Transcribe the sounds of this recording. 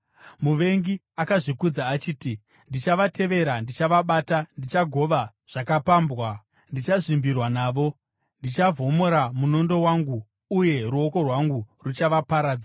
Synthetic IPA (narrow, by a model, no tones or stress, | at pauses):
muʋe̞ŋɡi | akaʐikud͡zaːt͡ʃiːti | ndit͡ʃaʋatʰe̞ʋe̞ɾandit͡ʃaʋaɓatandit͡ʃaɡʱo̞ʋa | ʐ̥akapaːmbwa | ndit͡ʃaʐimbirwanaːʋo̞ | ndit͡ʃavʱo̞mo̞ɾamuno̞ndo̞waŋɡuː | je̞ɾuo̞ko̞rwaŋɡurut͡ʃaʋapaɾaːd͡za